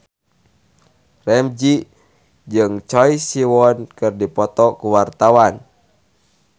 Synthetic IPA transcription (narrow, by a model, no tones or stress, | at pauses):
rɛmd͡ʒi | d͡ʒɨŋt͡ʃɔisiwɔnkɨrdipɔt̪ɔkuwart̪awan